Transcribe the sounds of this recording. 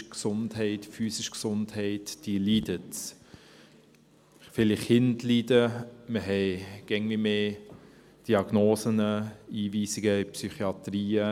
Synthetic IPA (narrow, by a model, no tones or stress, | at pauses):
ksʊndhɛɪtfyːsɪʃksʊndhɛɪtd̥iəlidət | fɪlɪχhɪntlidəməɦɛɪɡ̥ɛŋvimeː | d̥iɑɡ̥noːsənəiːviːsɪɡ̥əɪpsyχiɑt̪ɾiːə